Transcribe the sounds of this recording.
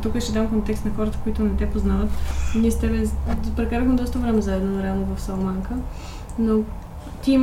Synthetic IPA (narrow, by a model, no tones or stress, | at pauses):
t̪ukəʃt̪ɛd̪amkont̪ɛkst̪nɐxɔɾət̪ə̥koit̪ʊnɛt̪ɛpoznavət̪niɛst̪ɛbɛpɾɛkaɾəxmɛd̪ɔst̪əvɾɛmɛzaɛd̪nonɾɛalˠnovɐfsɐlˠmaŋkə | no | t̪ʲim